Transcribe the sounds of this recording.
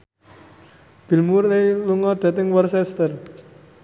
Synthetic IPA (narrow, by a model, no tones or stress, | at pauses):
b̥i̤lmureluŋɔd̪̥a̤t̪ɪŋwərsɛst̪ər